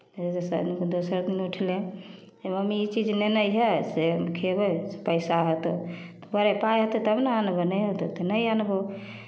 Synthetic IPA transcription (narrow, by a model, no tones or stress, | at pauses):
d͡ʒet̪esəd̪inkod̪osəɾd̪inuʈʰle | eməmiit͡ʃid͡ʒnenəjɦesekʰebəse̥pəɪsaɦot̪ot̪ɔ̥bəɾɛpajɦət̪et̪əbnaanbənəjɦot̪ot̪enəjanbo